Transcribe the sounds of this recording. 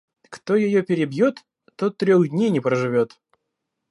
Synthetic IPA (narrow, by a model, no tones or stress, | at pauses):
kt̪ojɪjopʲɪɾʲɪbjot̪ː | ot̪ːɾʲoɣd̪ʲnʲejnʲɪpɾəʐɨvʲo̞t̪